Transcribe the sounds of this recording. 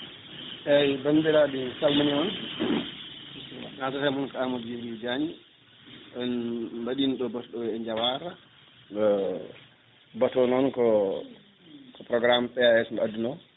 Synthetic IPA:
ʔɛajbandiɾadisalmaniɔn | natatamɔnkaamɔdd͡ʒiɾid͡ʒaɲi | ɗɔnmbaɗinɗɔbatɔɗɔwɛɛɲd͡ʒawaɾa | ɔ | batɔnɔnkɔ | kɔpɾɔɡɾampɛaɛsmadunɔ

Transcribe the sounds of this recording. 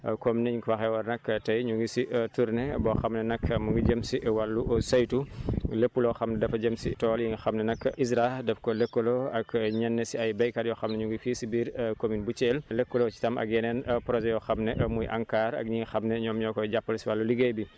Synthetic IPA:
kɔmnɛɲiŋkwɐxɛwɐɾnɐkːtɐjɲuŋɡisiʔtuɾnɛbɔxɐmnɛnɐkmuŋɡiɟəmsiwɐlːuʔsɐjtuləpːulɔxɐmnɛdɐfɐɟəmsḭtɔːljiŋɡixɐmnɛnɐkːʔisɾadɛfkɔlɛkːoloɐkɲɛnːɛsiɐjbɐjkɐɾjɔxɐmnɛɲuŋɡifiːsibiːɾkominbut͡ʃeːllɛkːolot͡ʃi̥tɐmʔɐ̰k̚ɛnɛnpɾɔʒɛjɔxɐmnɛʔmujʔɐ̰ŋkaːɾɐ̰k̚ɲiŋɡixɐmnɛɲɔːmɲɔkɔjɟapːɐlsiwɐlːuliɡejbi

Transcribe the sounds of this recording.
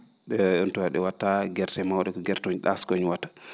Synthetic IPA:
ɗɛntɔaɗɛwatːaɡɛɾtɛmawɗɛkɔɡɛɾtoɲɗaskoɲwatːḁ

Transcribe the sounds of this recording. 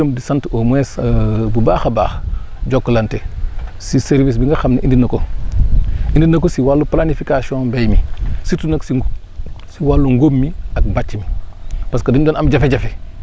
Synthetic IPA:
əmdisantomwesbubaːxaba̰ːx | d͡ʒokːlantesiseɾvis̬biŋɡaxamniʔindinɐko | indinɐk̬osiwalːuplanifikasiõmbejmisitunɐks | siwalːuŋɡomːiak̚bat͡ʃːimipaskadiɲdoːnamd͡ʒafeɟafe

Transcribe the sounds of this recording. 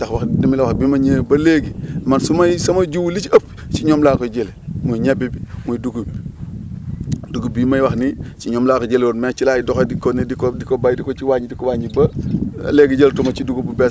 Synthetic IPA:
daxwaxdimilɐwaxbimɐɲeːbɐleːɡimansumɐjsɐmɐd͡ʒuwlit͡ʃɐp̚ | t͡ʃiɲomlakoɟelimujɲebibimujduɡub | duɡubimɐjwaxnit͡ʃiɲomlaːkoɟelonmeːt͡ʃilaːjidɔxodikonidikodikobajdikot͡ʃiwaɲidikowaɲibɐ̰leɡiɟeltumɐt͡ʃiduɡububɛs

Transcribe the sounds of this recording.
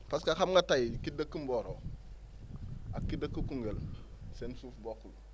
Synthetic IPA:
paskaxamŋɡatajkidəkːumboɾo | akːidəkːukuŋɡelsensufbokːul

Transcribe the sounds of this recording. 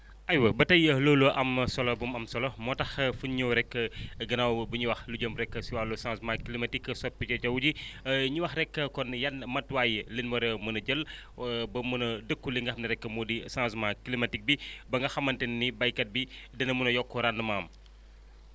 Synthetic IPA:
ʔɐjwɐbɐtɐjəloːluʔɐmsɔlɔbumɐmsɔlɔmɔtɐxfunɲɐwɾɛkːɐɡɐnɐwbuɲuwɐxluɟəmbɾɛkːəsiwalːusãsmãklimɐtikːɐsɔpːit͡ʃɐt͡ʃɐwuɟiɲuwɐxrɛkːɐkɔnjɐnmɐtwaːjilinmɐɾɐmɐnɐɟəlbɐmunɐdəkːuliŋɡɐxmnɐɾɛkːəmudisãsmakilimɐtik̚bibɐŋɡɐxɐmːɐntɛnːibɐjkɐt̚bidɐnɐmunɐjɔkːɔɾandɐmaːm

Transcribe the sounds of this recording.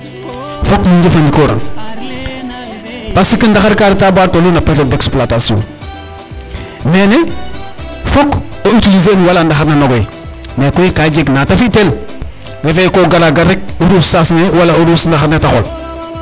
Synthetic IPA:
fokmiɲɟefandikoɾa̰ŋ | pasikindaxaɾkaɾitabaːltolunapeɾodeksplatasiõ̰n | mene | fok | oitilizeniwalandaxaɾnanoɡoji | mekoikaɟeɡnatafitel | ɾefekoɡalaɡaɾek̚uɾussasnewalauɾusndaxaɾnetaxo̰l

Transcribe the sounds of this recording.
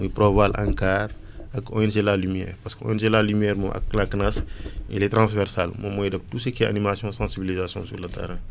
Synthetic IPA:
ujpɾovalʔã̰ŋkaːɾ | ɐkɔ̰jns̬elalymjɛ̰ːɾpɐskəɔ̰jɛnselalymjɛːɾmuʔɐ̰klaknasḭlɛtɾãsvɛɾsalmomɔjdɐk̚tusəkiɛʔɐ̰nimasjɔ̃sɑ̃sibilizasjɔ̰̃suɾlɐtʰɛ̰ɾɛ̃

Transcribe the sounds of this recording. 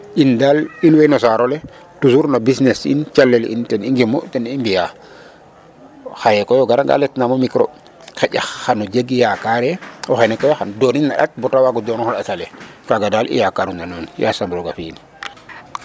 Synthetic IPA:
indalinwɛnɔsaɾolɛ | tusuɾnabisnesḭnt͡ʃalːɛlḭntɛniŋɡimɔtɛnimbija | xajɛkɔjɔɡaɾaŋɡa̰lɛtnamomikɾo̰ | xɛɟaːanɔd͡ʒeɡijakaɾɛɔxenɛkɔjɔxandɔːninːa̰ɗa̰t̚bɔtawaɡɔdɔnɔxalatalɛkaɡadalḭjakaɾunanunja̰sambɾoɡafiːn

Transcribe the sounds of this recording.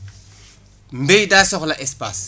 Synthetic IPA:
mbejdasɔxlaʔɛspa̰s

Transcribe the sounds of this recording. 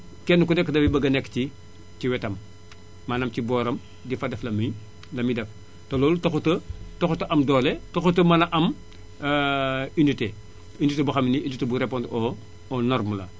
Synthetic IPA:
kɛnːukunɛkːdɐbibɐɡɐnɛkːci | ciwɛtɐmː | anɐmcibɔːɾɐm | difɐdɛflɐmij | lɐmidɐf | tolɔːlutoxutətoxutɐʔɐmdɔːletoxutəmɐnɐʔɐm | inite | initebuxɐminiinitebuɾepontoː | nɔɾmɐlɐ̰

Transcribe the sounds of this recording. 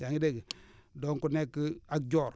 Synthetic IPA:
aŋideɡdɔŋkunekːak̚d͡ʒɔɾ

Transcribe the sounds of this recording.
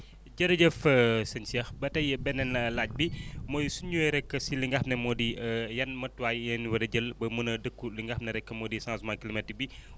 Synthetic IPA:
ɟɐɾɐɟəfəsɐnsiɛxbɐtɐjbɛnɛnlaːc̚bimɔːjsuɲuɛɾɛkːəsiliŋɡɐxnɛmɔːdijɐnmɐtːuwajjɐnwɐdɐɟəlbɐmunɐdəkːuliŋɡɐxnɐɾɛkːəmɔːdisãːnsmakilimɛtːibi

